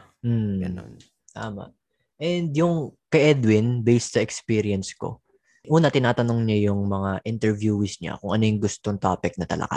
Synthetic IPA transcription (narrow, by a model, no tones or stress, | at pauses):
m̩n̰n | t̪a̰ːmɐ̰ʔ | ʔɛnd̪jʊŋkɐjʔɛd̪wɪnbejsɐɛkspiːɾiɐnsko̰ | ʔuːnɐt̪ɪnaːt̪ɐnoŋɲajʊŋmɐŋaʔɪnt̪ɛɹvjuːwɪsɲa̰kʊŋʔɐnojʊŋɡʊst̪oŋt̪aːpɪk̚nɐt̪ɐ̰lʔɐ̰ka̰